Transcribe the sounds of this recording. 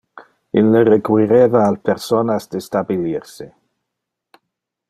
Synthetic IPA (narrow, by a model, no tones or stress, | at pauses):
ilːərekwiɾevaːlpeɾsonasd̪estabiliɾse